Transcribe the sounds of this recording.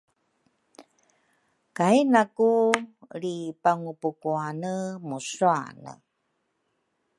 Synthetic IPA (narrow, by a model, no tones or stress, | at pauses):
kajnakuɾipaŋupukuanəmusua̰nə̰